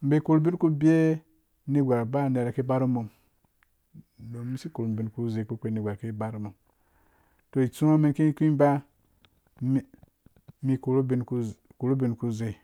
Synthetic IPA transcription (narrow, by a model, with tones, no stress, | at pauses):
m̩˨be˨ku˨ɾbi˦nku˦bi˦e˦ | ni˦ɡʷa˨ɾba˦˨ne˨ɾa˨ke˦ba˦ɾu˦mo˨m˨ | do˨˦mi˦si˦ku˨ɾu˨m˨bi˨nku˦ze˨ku˦k͡pʷe˦ni˨ɡʷa˨ɾke˦ba˦ɾu˦mo˨m | to˨i˨t͡su˦a˦mi˦nki˦kʷĩ˦ba˦ | mi˦ku˨ɾu˦bi˦nku˦ku˨ɾu˦bi˨nku˦ze˨